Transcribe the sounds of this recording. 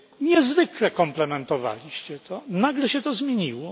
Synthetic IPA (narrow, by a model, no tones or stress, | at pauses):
ɲɛzvɘklɛkɔmplɛmɛnt̪ɔva̰lʲiɕt͡ɕɛt̪ʰɔnaɡlɛɕɛt̪ɔzmʲjeɲiwɔ